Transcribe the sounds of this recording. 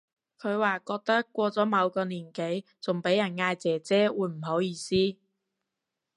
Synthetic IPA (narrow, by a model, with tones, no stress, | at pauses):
kʰɵ˨˧ɥwaː˨kɔː˧k̚t̪ɐ˥kːʷɔː˧t͡sɔː˨˥mɐ˨˧wkɔː˧niː˨˩nke˨˥j | t͡sʊ˨˩ŋpe˨˥jɐ˨˩nŋaː˧jt͡sɛː˨˩t͡sɛː˥wuː˨˧˥jm̩˨˩ɦo˨˥wjiː˧siː˥